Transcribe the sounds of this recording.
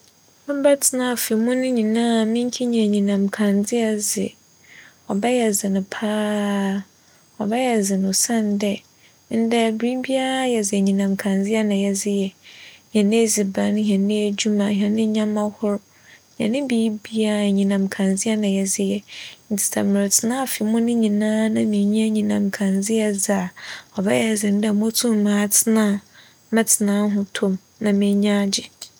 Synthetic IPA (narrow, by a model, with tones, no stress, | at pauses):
ã˦ba˦tʰɪ˨nã˦˨fi˨mũ˦nɪ̃˦ɲĩ˨nã˦mĩ˦ŋ˦kʰi˦ɲ˦ɛ̃˨ɲĩ˨nã˨m̩˨kʰã˨nd͡zɪ˦a˦zɪ̰˨ | ɔ˨bɛ˦jɛ˨zɪ˨nɪ̃˨pʰaː˦ | ɔ˨bɛ˦jɛ˨zɪ˨nʊ̃˨sã˦n˦dɛ˦ | n̩˦dɛ˦˨bɾi˦bi˦a˦jɛ˨zɪ˨ɲĩ˨nã˨m̩˨kʰã˨nd͡zɪ˦a˦nã˨jɛ˨zɪ˦jɛ˨ɲɛ̃˨nĩ˦zi˨ba˨˦ñ˦ɦɛ̃˨nɪ̃˦e˦d͡ʑu˦mã˨ɦɛ˨nɪ̃˦ɲã˦mã˦hʊ˦ɾʊ˦˨ | hɛ̰̃˨nːɪ̃˦bi˦bi˦a˦˨ɲĩ˨nã˨m˨kʰã˨nzɪ˦ɛ˦nã˨jɛ˨zɪ˦jɛ˨n̩˨˦tʰɪ̥˨sʰa̰˨mɪ˨ɾɪ˨tʰɪ˨nã˦˨fi˨˦mʊ̃˦nɪ̃˦ɲĩ˨nãː˦nã˨mĩ˨˦ɲĩ˦a˦ɲĩ˨nã˨m˨kʰã˨nzɪ˦jɛ˦za˨ɔ˨bɛ˦ɛ˨zɪ˨n̩˦dɛ˨mõ˦tʰũ˦m˨mãː˨˦tʰɪ˦nã˦˨ | mã˦tʰɪ˨nãː˨˦ɦʊ̃˦tʰʊ̃˦m | nã˨mɪ̃˨˦ɲã˦d͡ʑɪ˨